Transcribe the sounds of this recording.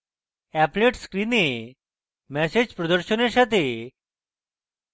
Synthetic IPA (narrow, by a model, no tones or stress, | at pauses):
æpleʈskɾine | mɛsed͡ʑpɾɔd̪əɾɕəneɕat̪̬e